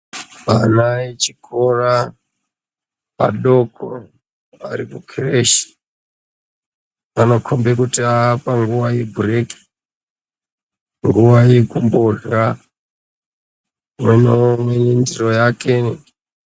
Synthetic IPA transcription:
panaet͡ʃikʰora | pa̰ɗokʰo | aɾikukʰireʃi̥ | ano̞kʰombekutiapaŋɡuʋajebʱureki̥ | ŋɡuwajekumboɮa | mwenomenendirojake

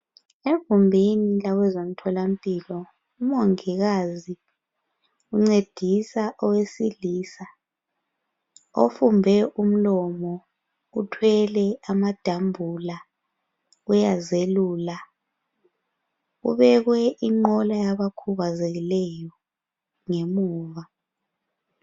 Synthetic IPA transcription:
evumbʱinilawɛzom̩tʰɔlam̩pʼilɔ | umɔŋiɣazi | uŋ͡ǀed̥ʱisaʔɔwesiliːsa | o̰fumbʱɛʔum̩lɔmɔ | utʰwɛlɛamad̥ʱambʱula | ujazeluːla | ṵβɛɣwɛʔiŋ͡ǃɔlajaβakʰuɣazeɣilɛjɔ | ŋemuːβa

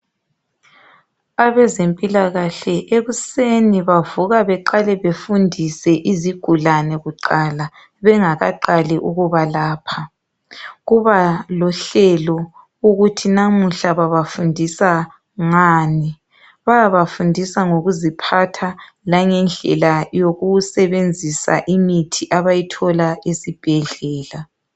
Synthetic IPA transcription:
aβɛzempʼilaɣaɬɛʔeɣuseniβavuɣaβɛǃalɛβefundʱisɛʔiziɡ̥ʱulanɛɣuǃaːla | βɛŋaɣa̰ǃalɛʔuɣuβalaːpʰa | ɣuβalɔɬɛlɔ | uɣutʰinamuɬaβaβafundʱisa | ŋaːni | βajaβafundʱisaŋoɣuzipʰatʰa | laŋɛnd͡ɮʱɛ̰lajoɣusɛβend͡zʱisa̰ʔimitʰiʔaβajitʰɔlaesib̥ʱɛɮɛːla

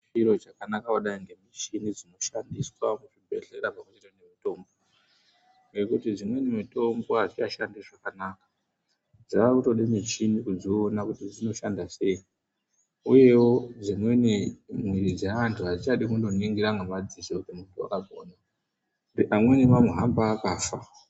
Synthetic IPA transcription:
iɾo̞t͡ʃakanakawoɗaiŋɡe̞mit͡ʃinid͡zino̞ʃandiswamuʐibʱe̞ɬe̞ɾapamut͡ʃeɾenemito̞ːmbo | ŋɡe̞kutid͡zimwenemito̞mbo̞ɦaʐit͡ʃaʃandiʐakanaːkḁ | d͡zaʋakuto̞ɗimit͡ʃinikud͡zionakutid͡zino̞ʃandase̞i | uje̞wo̞d͡zimwe̞nimwiɾid͡zeʋantʰuad͡zit͡ʃaɗikundo̞niŋɡiɾaŋɡamad͡zisoutimuntʰua̰kaɡʱo̰na | iʔamwe̞nimamweɦambaːkaːfa

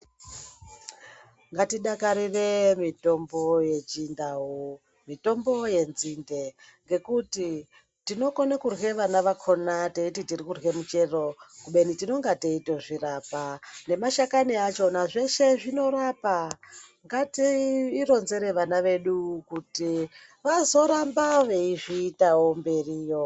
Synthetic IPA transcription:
ŋɡatiɗakaɾire̞mito̞mbo̞je̞t͡ʃindaɦu | mito̞mbo̞je̞nzinde̞ | ŋɡe̞kuti | tino̞konekurwe̞ʋanaʋakʰo̞nateititirikurwe̞mut͡ʃe̞ro̞kuɓe̞nitino̞ŋɡateitoʐirapane̞maʃakaniat͡ʃo̞naʐe̞ʃe̞ʐino̞ɾapaŋɡatiːro̞nze̞ɾe̞ʋanaʋe̞ɗukuti | ʋazo̞ɾambaʋeiʐiːtawombe̞rijo

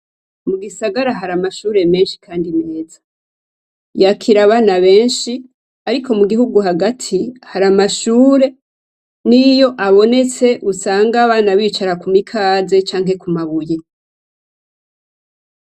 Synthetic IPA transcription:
muɡisaɡaɾaɦaɾamaʃuːɾe̞me̞ːnʃi̥kʰaːndine̞ːz̥ḁ | jakʰiɾaβaːnaβe̞ːnʃi | aɾikʰo̞muɡihuɡuɦaɡatʰihaɾamaʃuːɾe̞ | nijo̞ʔaβo̞ne̞t͡se̞ʔusaːŋɡaβaːnaβiːt͡ʃaɾakumikʰaːze̞t͡ʃaːŋɦe̞kumaβuje

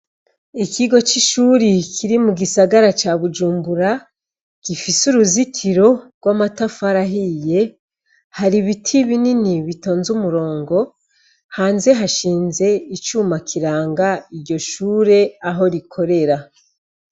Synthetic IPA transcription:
ikiɡo̞t͡ʃiʃuːɾikʰiɾimuɡisaɡaɾat͡ʃaβud͡ʒuːmbuɾa | ɡ̥ifisuɾuzitʰiɾo̞ɡ̥wamatafaɾaɦije̞ | haɾiβitʰiβininiβito̞ːnzumuɾo̞ːŋɡo̞ | haːnze̞ɦaʃiːnze̞it͡ʃuːmakʰiɾaːŋɡaiɾɟo̞ʃuːɾe̞aɦo̞ɾikʰo̞ɾe̞ɾa

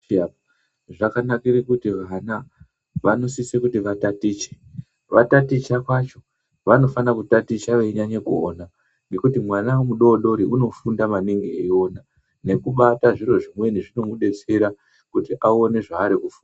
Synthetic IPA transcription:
ʐakanakiɾikutiʋana | ʋano̞sisekutiʋatatiːt͡ʃe̥ | ʋatatit͡ʃakwat͡ʃo̞ | ʋano̞fanakutatit͡ʃaʋeiɲaɲekuo̰ːna | ŋɡe̞kutimwanawemuɗo̞ːɗo̞ɾiʔuno̞fundamaniŋɡieo̞ːna | ne̞kuɓataʐiro̞ʐimwe̞niʐino̞muɗe̞t͡se̞ɾa | kutiʔao̞ne̞ʐaːɾikufu̥ːna

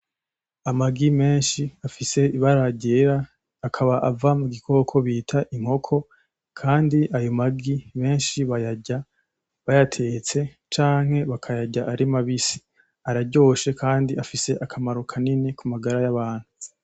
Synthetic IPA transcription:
amaɡime̞ːnʃiafise̞iβaɾaɟeɾaː | kʰaβaʔavamuɡikʰo̞kʰo̞βiːtʰaʔimho̞kʰo̞ | kʰaːndiʔajomaɡime̞ːnʃiβajaɟa | βajatʰe̞t͡se̞ | t͡ʃaːŋ̥he̞βakʰajaɟaʔaɾimaβisi̥ | aɾaɟo̞ːʃe̞kʰaːndiafise̞ʔakʰamaɾokʰaninekumaɡaɾajaβaːn̥hu

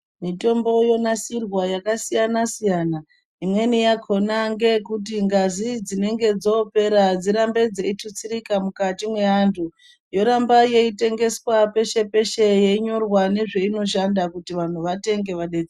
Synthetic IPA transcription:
mito̞mbo̞jo̞nasirwajakasijanasijana | imwe̞nijakʰo̞naŋɡe̞kut̬iŋɡazid͡zine̞ŋɡe̞d͡zo̞pe̞ɾad͡ziɾambe̞d͡zeitʰut͡siɾikamukatimwe̞antʰu | jo̞ɾambaje̞ite̞ŋɡe̞swape̞ʃe̞pe̞ʃe̞je̞iɲo̞rwane̞ʐe̞ino̞ʃandakutiʋan̤uʋate̞ŋɡe̞ʋaɗeːd͡ze

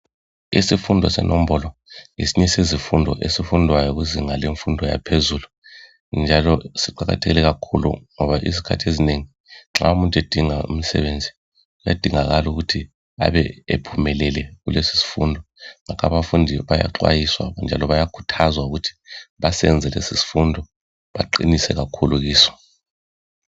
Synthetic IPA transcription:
ḭsifundʱɔsɛ̰nʔom̩bɔlɔŋesiɲɛsizifundʱɔʔesifundʱwajɔɣuziŋaleɱfundʱɔja̰pʰezuːlu | nd͡ʒʱalɔsiǃaɣa̰tʰɛɣilɛɣakʰulṵŋɔβaʔizikʰa̰tʰiezineŋi | ǁaumuntʼed̥ʱiŋaṵm̩sɛ̰βend͡zʱi | ɣuja̰d̥ʱiŋaɣaluɣutʰi | a̰βɛ̰ḛpʰumɛlɛlɛɣulesi̥si̥fṵndʱɔŋakʰaβafundʱiβaja̰ǃwa̰jiswa̰nd͡ʒʱalɔβajakʰu̥tʰazwauɣutʰi̥βasɛ̰nd͡zʱɛlḛsisi̥fundʱɔ | βaǃḭnisɛɣakʰuluɣiːsɔ̥

